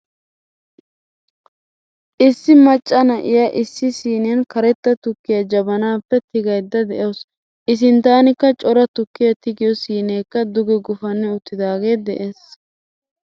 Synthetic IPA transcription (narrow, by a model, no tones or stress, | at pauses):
ʔɪsːɪmɐt͡ʃʼːɐnɐʔɪjaʔɪsːɪsiːnɛjɐnkɐɾɛt̪ːɐt̪ʊkːɪjɐd͡ʒɐbɐnaːpːɛt̪ɪɡɐjd̪ːɐd̪ɛʔoːs | ʔɪs̬ɪnt̪aːnɪkːɐt͡ʃʼɔɾɐt̪ʊkːɪjɐt̪ɪɡɪjɔsiːneːkːɐd̪ʊɡɛɡʊfɐnːɪʊt̪ːɪd̪aːɡe̞ːd̪ɛʔe̞ːs